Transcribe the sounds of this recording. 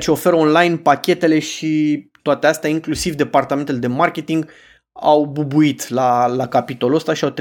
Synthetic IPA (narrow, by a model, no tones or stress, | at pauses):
t͡ʃeo̞fe̞ɾo̞nlajnpakʲe̞t̪e̞le̞ʃit̪oat̪east̪eaiŋklusivd̪e̞part̪ame̞nt̪ele̞d̪e̞markʲe̞t̪iŋɡ | awbubuit̪lalakapit̪o̞lost̪aʃiawt̪